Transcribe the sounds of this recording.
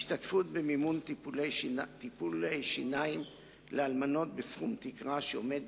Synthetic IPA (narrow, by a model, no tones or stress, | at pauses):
iʃtatfut̪bemimunulejt̪ipulejʃinaim | lealmano̞t̪̚besχumt̪ikʁaʃeo̞me̞d̚